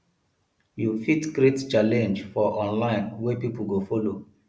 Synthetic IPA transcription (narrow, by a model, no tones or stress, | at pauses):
jufitɡɹett͡ʃalɛ̃nd͡ʒfɔʔɔ̃nlãɪ̃nwɛpip̩ɡofɔlo